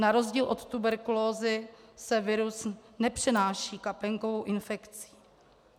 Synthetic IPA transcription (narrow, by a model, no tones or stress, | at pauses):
naɾo̞zɟiːlʔo̞t̪t̪ubɛɾkuloːzɪsɛvɪɾusnɛpr̝̥ɛnaːʃiːkapɛŋkovo̞wʔɪnfɛkt͡si̥ː